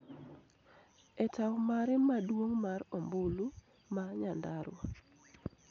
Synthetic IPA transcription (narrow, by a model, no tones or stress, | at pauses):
ɛtawmaɾɪmadwoŋmaɾɔmbulu | maɲandaɾwa